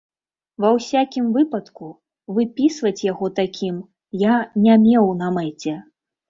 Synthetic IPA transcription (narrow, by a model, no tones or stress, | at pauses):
vɐwsʲakʲimvɨpɐt̪ku | vɨpʲisvɐt͡sʲjaɣɔt̪akʲʰim | janʲamʲɛwnɐmɛt͡sʲɛ